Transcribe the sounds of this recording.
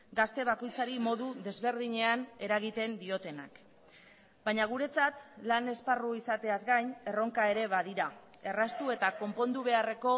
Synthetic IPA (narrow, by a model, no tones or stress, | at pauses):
ɡast̪e̞β̞ako̞jt͡saɾimo̞ðuðe̞zβe̞ɾðiɲe̞ane̞ɾaɣ̞it̪e̞nd̪io̞t̪e̞na̰k | bajɲaɣ̞uɾe̞t͡sat̪lane̞sparuisat̪e̞azɡajne̞ro̞ŋkae̞ɾe̞βaðiɾa | e̞rast̪ue̞t̪ako̞mpo̞nd̪uβ̞e̞are̞ko̞